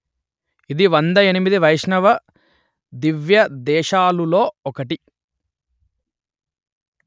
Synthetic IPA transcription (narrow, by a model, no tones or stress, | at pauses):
id̪iʋɐnd̪ɐenimid̪iʋɐjʂɳɐʋɐ | d̪iʋjɐd̪ɛːʃaːlulo̞ːɔkɐʈi